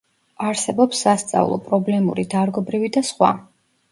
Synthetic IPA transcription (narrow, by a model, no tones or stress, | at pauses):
aɾsɛbɔpsːast̪sʼa̰vlˠɔ̰pʼɾɔblɛmuɾid̪aɾɡɔbɾivid̪asχwa̰